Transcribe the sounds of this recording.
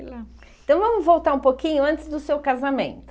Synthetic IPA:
lɐ̃ | t̪ɐ̃w̃vɐ̃mʊzvowt̪aɾũpokĩɲʊɐ̃nt͡ʃɪzd̪ʊsewkazamẽnt̪ʊ

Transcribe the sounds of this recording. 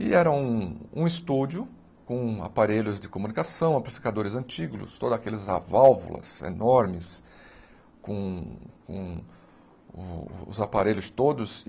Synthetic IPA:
ɪɛɾɐũũɪst̪ud͡ʒʊ | kõa̰paɾeʎʊzd͡ʒɪkomunikasɐ̃w̃aplifi̥kad̪oɾɪzɐ̃nt͡ʃiɡlʊ̰st̪od̪ʊzakelɪza̰vawvʊ̰lɐ̰zḛnɔɾmɪs | kõkõ | ʊ̰zapaɾeʎʊst̪od̪ʊs

